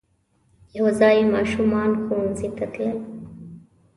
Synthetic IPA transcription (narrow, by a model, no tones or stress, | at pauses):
jaɦozɑːjimɑːʃumɑːnxunzit̪at̪lal